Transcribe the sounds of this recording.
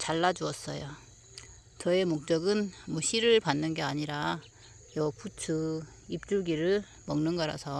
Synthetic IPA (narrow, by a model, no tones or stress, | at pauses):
t͡ɕaɭːad͡ʑuʌs͈ʌ̰jo | t͡ɕʌe̞mok̚t͡ɕ͈ʌɡɯnmwʌɕʰiɾɯɭpanːɯnɡe̞aɲiɾa | jʌput͡ɕʰu | ip̚t͡ɕ͈uɡiɾɯɭ | mʌŋnɯnɡʌɾa̰sʰʌ